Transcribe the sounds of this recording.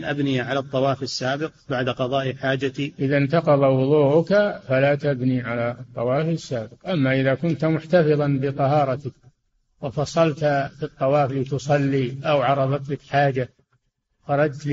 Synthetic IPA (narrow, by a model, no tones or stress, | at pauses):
nʔabnijʕalat̪ˤːɑwɑːfɪsːaːbɪq̚baʕd̪aqɑðˤɑːʔħaːd͡ʒat̪iʔɪðant̪ɑqɑðˤɑwʊðˤuːʔʊkafalat̪abniʕalat̪ˤːɑwɑːfɪsːaːbɪqʔamːaʔɪðakʊnt̪mʊħt̪afɨðˤɑnbɪt̪ˤɑɦɑːɾˤɑt̪ɪk | wɪfɑsˤɑlt̪afit̪ˤːɑwɑːfliːt̪ʊsˤɑlːiʔawʕɑɾˤɑðˤɑt̪lɪkħaːd͡ʒa | xɑɾˤɑd͡ʒt̪l